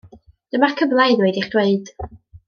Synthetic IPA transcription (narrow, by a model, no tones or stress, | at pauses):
d̥əmakʰəblˠajnweɨdiχd̥weɨd̥